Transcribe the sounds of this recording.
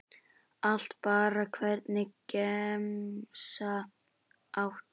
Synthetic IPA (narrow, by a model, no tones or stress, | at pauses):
al̥t̪paːɾakʰvɛɾt̪nɪkɛmsa | ʔawht̪